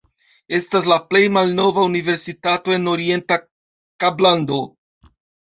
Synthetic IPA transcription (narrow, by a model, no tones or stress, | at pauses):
e̞stas̬laple̞jmalno̞vaunive̞ɾsitato̞e̞no̞ɾie̞nta | kablando̞